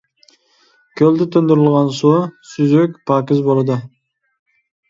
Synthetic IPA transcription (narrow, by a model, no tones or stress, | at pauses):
kʲʰøld̪yt̪ʰønd̪yɾɪlˠʁɑnsusyzøkʲpɑkɯzbolˠd̪ə